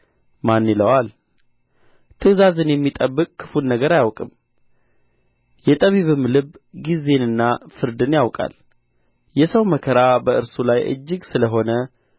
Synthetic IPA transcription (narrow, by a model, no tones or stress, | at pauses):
manːiləwal | t̪ʰɨzazɨnjɛmːit̪ʼəbːɨkʼkʰɨ̥funːəɡəɾajawkʼɨm | jɛt̪ʼəβiβɨmlɨβɡize̞nɨnːafɨɾd̪ɨnjawkʼa̰l | jɛsəwməkʰəɾabəʔɨɾsulajʔɨ̰d͡ʒːɨɡsɨləɦo̞nə